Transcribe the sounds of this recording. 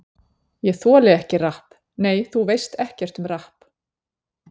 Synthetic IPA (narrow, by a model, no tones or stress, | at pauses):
jɛθɔːlɪɛhcɪrahp | neːjθuvejst̪ɛhcɛr̥t̪ʏmrahp